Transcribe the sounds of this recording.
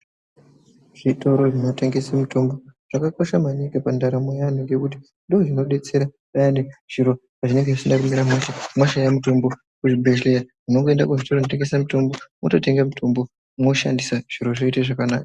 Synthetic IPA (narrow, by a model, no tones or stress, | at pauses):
ʐ̥itʰo̞ɾo̞ʐino̞te̞ŋɡe̞samutʰo̞mbo̞ʐ̥akako̞ʃamanikapandaɾamojanoŋɡe̞kut̬i̥ | ndooʐino̞ɗe̞t͡se̞ɾa | ɓajaneʐ̥iɾo̞ | aʐine̞ŋɡeʐit͡ʃendakumiɾamwaʃamwaʃajamuto̞mbo̞ | kuʐibʱeʃliamuno̞ŋɡo̞e̞ndakuʐitoonoteŋɡe̞samuto̞mbomoto̞te̞ŋɡamutʰo̞mbo̞ | moʃa̰ndisaʐ̥iɾo̞ʐoitaʐakanaːka